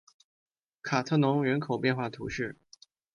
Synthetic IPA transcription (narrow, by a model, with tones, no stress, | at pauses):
kʰa˨˩t̪ʰɤ˥˩nʊ˧˥ŋɥɛ˧˥nkʰo˨˩ʊpjɛ˥˧nxwa˥˩t̪ʰu˧˥ʂɻ̩˥˩